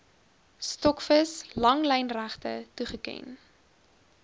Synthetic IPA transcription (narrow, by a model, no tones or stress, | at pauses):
stɔkfəslɐŋlɛjnræχtətuχəkɛ̰n